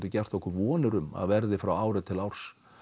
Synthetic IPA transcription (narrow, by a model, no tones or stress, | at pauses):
t̪ʏcɛr̥t̪ɔhkʏɾvɔːnʏɾʏma̰ðvɛɾðɪfɾawaːwɾɪt̪ʰɪlawɾ̥s